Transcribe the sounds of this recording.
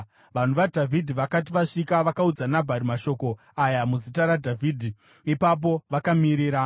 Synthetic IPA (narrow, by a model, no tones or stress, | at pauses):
ʋan̤uʋadʱavʱidʱiʋakat̬iʋaʂikaʋakaud͡zanabʱaɾimaʃo̞ko̞ | ajamuzitaɾadʱavʱidʱi | ipap̬o̞ʋakamiɾiːɾa